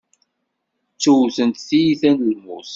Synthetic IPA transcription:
t͡sːuθənt̪θijiθænlmʊs

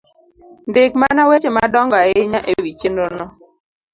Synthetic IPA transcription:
ndɪkmanawet͡ʃemadɔŋɡaɪɲaʔewit͡ʃenonɔ

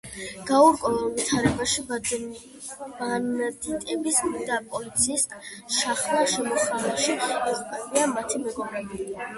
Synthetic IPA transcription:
ɡ̥auɾkʼɔvlˠvit̪ʰaɾɛbaʃi | ad̪it̪ʼɛmbiskmid̪apʼɔlit̪sʰiːskʼʃaχlˠaʃɛmɔχalaʃiɛχʼpʼaniamat̪ʰimɛɡɔmɾɛbi

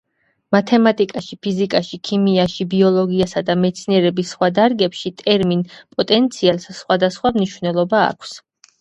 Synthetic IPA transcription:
mat̪ʰɛmat̪ʼikʼaʃipʰizikʼaʃikʰimiaʃibiɔlˠɔɡiasad̪amɛt̪sʰniɛɾɛbisːχwad̪aɾɡɛpʃit̪ʼɛɾminpʼɔt̪ʼɛnt̪sʰialˠsːχwad̪asχwamniʃvnɛlˠɔba̰ːkʷʰs

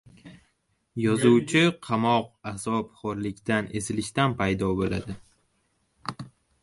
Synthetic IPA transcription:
jɒzuwt͡ʃʰɪqʰɑmɒqazɒpχoɾlɪkʲt̪anʔe̞zɪlɪʃt̪anpʰajd̪ɒbola̰d̪ɪ

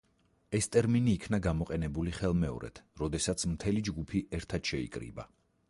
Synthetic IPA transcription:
ɛst̪ʼɛɾminiːkʰnaɡamɔqʼɛnɛbuliχɛlˠmɛɔ̰ɾɛ̰t̪ʰɾɔd̪ɛsat̪sʰmt̪ʰɛlid͡ʒɡupʰiʔɛɾt̪ʰad̪̥ʃɛḭkʼɾḭba̰

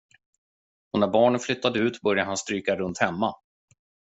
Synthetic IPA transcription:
ɔnæɾbɑːɳənflʏt̪ːad̪əʉ̟ːt̪bœɾjaɾɦanst̪ɾyːkaɾɵnt̪hɛmːa

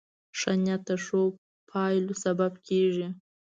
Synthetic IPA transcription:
ʂanʲat̪ʰaʂo | pʰɑːjlusababkʲʰeːʐi

